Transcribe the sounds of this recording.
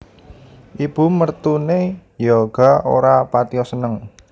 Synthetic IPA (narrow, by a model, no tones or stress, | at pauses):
ʔib̥umərt̪unejɔɡ̥a̤o̰ɾapat̪iɔsənəŋ